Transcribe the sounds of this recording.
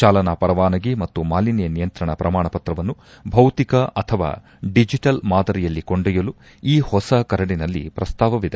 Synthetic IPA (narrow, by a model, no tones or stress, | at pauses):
t͡ʃaːlɐnɐpɐɾɐʋaːnɐɡimɐt̪ːumaːlinijɐnijɐnt̪ɾɐɳɐpɾɐmaːɳɐpɐt̪ɾɐʋɐnːu | bʱɐwt̪ikɐʔɐt̪ʰɐʋa̰ː | ɖid͡ʒiʈɐlmaːd̪ɐɾijɐlːikoɳɖɛjɐlu | iːhɔsɐkɐɾɐɽinɐlːḭpɾɐst̪aːʋɐʋid̪e